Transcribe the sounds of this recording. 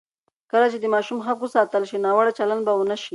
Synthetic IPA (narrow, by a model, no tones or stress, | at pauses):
kəlat͡ʃed̪əmɑʃumxakwəsɑt̪əlʃinɑwaɽat͡ʃaland̪bawənaʃi